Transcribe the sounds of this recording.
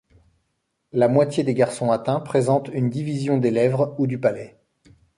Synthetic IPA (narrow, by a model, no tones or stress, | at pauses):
lamwat̪ʲjed̪eɡaʁsɔ̃at̪ɛ̃pχezɑ̃t̪ynd̪ivizjɔ̃d̪elɛvʁud̪ypalɛ